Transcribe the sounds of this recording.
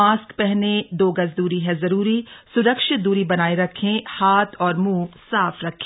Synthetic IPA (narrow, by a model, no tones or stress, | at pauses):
aːskpɛɦned̪oːɡɐzd̪uːɾiɦɛzɐɾuːɾisʊɾəkʃɪt̪̚d̪uːɾibɐnaːeɾɐkʰːẽhaːt̪ʰɔːɾmũːsaːfʰɾɐkʰːẽ